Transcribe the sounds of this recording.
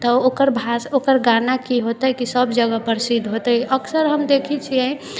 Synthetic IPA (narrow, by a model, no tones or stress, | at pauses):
t̪ɔokəɾbʱasokəɾɡanakiɦot̪əkisəbd͡ʒəɡəpəɾsid̪ʱɦot̪əəksəɾɦəmd̪ekʰit͡ʃʰiɛ